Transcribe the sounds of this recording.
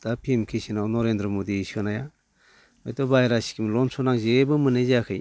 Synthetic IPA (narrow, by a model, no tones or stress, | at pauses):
d̪̥apʰimkʰisinawnɔɾend̪ɾɔmod̪isɯnaja | ɔjtɔbajɾasi̥kʰimlɔnsʰɔnaŋzebɯmɯnezakʰɯj